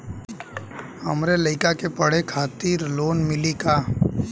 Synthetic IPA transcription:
hɐmɾeləɪkakepəɽ̤ekʰaːt̪iːɾloːnmɪlikaː

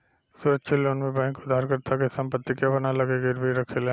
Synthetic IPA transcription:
suːɾət̪ːʃʰeloːnmẽbɛ̃ːŋkʊd̪ʱːaːɾkɐɾt̪ʰakesɐ̃mpət̪ːikjabɐnalɐɡeɡeɾbiɾɐkʰeleː

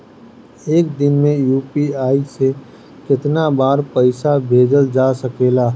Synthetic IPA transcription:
eːk̚d̪ɪnmẽjuːpiaːise | kɪt̪nabaːɾpəɪsabʱeːd͡ʒəld͡ʒaːsɐkeːlaː

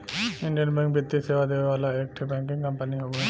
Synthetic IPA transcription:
ɪ̃ɳɖijənbɛ̃ŋk̚bɪt̪ːiseːʋad̪eːʋeʋaːlaek̚ʈʰbɛ̃ːŋkɪ̃ŋkəmpəniɦoɡo

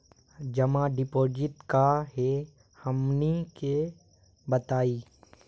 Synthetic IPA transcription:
d͡ʒɐmãɖɪpoːd͡ʒɪt̪kaɦe | hɐmnike | bɐt̪aːiː

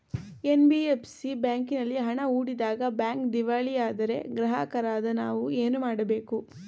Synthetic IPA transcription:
e̞nbiepsibjaːŋkinɐlːiɦɐɳɐuːɽid̪aːɡɐbjaːŋkd̪iʋaːɭijaːd̪ɐɾe̞̰ɡɾɐɦa̰ːkɐɾaːd̪ɐnaːʋue̞ːnumaːɽɐbe̞ːku

